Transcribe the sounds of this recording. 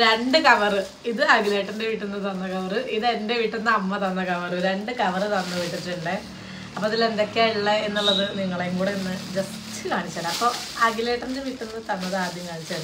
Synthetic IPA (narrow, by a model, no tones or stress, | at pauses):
ɾe̞ɳɖɨkɐʋɐrɨ | iðɨɐɡileːʈːindeʋiʈːunːɐt̪ɐnːɐkɐʋɐrɨʔiðe̞nde̞ʋiʈːunːɐɐmːɐt̪ɐnːɐkɐʋɐroɾɾe̞ɳɖɨkɐʋɐrɨt̪ɐnːɐʋiʈːitːiʈːuɳɖe | ɐpːoiðilend̪o̞kːeiɭːɐenːuɭːɐðɨniŋːɐɭeŋɡuːɽeinːɨd͡ʑɐs | tːɨkaːɳit͡ɕːaːɭɐpːoː | ɐɡileːʈːɐndeʋiʈːunːɐt̪ɐnːɐðɨaːd̪jɐmkaːɳit͡ɕːaːɭ